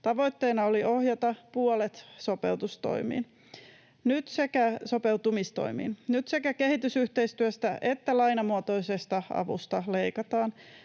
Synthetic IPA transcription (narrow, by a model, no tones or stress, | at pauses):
t̪ɑʋo̞jt̪ːeːnɑoliʔo̞hjɑt̪ɑpuolet̪so̞pe̞̰ut̪ust̪o̰imḭːn | nyt̪sekæso̞pe̞ut̪umist̪o̰imḭːnnyt̪se̞kæke̞ɦhit̪ysyht̪eist̪yøst̪æʔet̪ːælɑjnɑmuot̪oisest̪ɑɑ̰ʋṵst̪ɑle̞jkɑt̪ɑːn